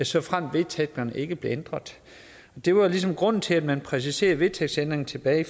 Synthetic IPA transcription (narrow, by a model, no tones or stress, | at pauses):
æsɒ̽fʁam̰d̥ʋe̝t͡sʰeɡ̥ɐnəʔe̝ɡ̥əb̥le̝end̥ʁɐðˠ | ɒ̽d̥e̝ʋɑ̈lis̬ɒ̽mɡ̥ʁɔ̽n̰n̩t͡sʰe̝æd̥mænpʰʁɛs̬ise̝̰ːɐʋe̝t͡sʰeɡ̥send̥ʁeŋn̩t͡sʰe̝b̥ɛ̰ːɪ